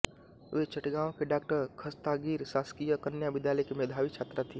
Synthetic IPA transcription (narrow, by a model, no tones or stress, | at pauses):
ʋet͡ʃɐʈɡãːõkeɖaːkʈəɾkʰɐst̪aɡiːɾsaːskijəkɐnjaʋɪd̪jaːləjkemeːd̪ʱaːʋit͡ʃʰaːt̪ɾat̪ʰiː